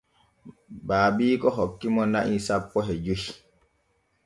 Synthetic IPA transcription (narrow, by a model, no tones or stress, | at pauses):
baːbiːkɔɦɔkːimɔna̰ʔisapːɔɦɛd͡ʒuhi